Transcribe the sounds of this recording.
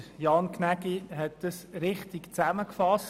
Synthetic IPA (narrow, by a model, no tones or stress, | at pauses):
jɑːnkʰnæɡiɦɛt̚d̥əsɾɪχtɪkt͡sæməkfɑs